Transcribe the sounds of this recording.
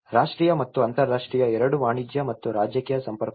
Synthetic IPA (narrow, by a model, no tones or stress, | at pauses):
ɾaːʂʈɾiːjɐmɐt̪ːuɐnt̪ɐɾːaːʂʈɾiːjɐɛɾɐɽuʋaːɳid͡ʒjɐmɐt̪ːuɾaːd͡ʒjɐkiːjɐsɐmpɐɾk